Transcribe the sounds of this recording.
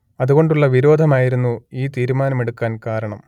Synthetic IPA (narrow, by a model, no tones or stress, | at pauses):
ɐðuɣo̞ɳɖuɭːɐʋiɾo̞ːd̪ʱɐmaːjiɾunːuiːt̪iːɾumaːnɐmeɽukːaːnkaːɾɐɳɐm